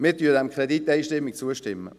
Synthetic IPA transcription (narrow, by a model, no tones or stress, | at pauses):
mɪɾtyːdɛmkʰʁɛdit̪ːɛɪʃtɪmːik̚t͡suəʃtɪmːə̰